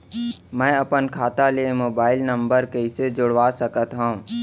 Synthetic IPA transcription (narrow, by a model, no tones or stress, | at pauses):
mɛ̃ːɐpənkʰaːt̪alemoːbaːɪlnɐ̃mbəɾkeɪsed͡ʒʊɽʋaːsəkət̪ɦõ